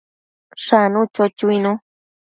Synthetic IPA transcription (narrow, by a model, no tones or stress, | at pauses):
ʂanũt͡ʃot͡ʃuinũ